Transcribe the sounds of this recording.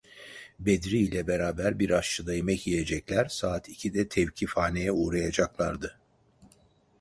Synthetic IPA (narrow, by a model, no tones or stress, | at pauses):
bed̪ɾiːlʲɛbeɾaːbæɾbiɾaʃt͡ʃʰɯd̪ajemɛcijed͡ʒɛclʲæɾsaːt̪ʰicʰid̪ɛt̪ʰɛvcʰifaːnejɛuːɾajad͡ʒaklˠa̰ɾd̪ɯ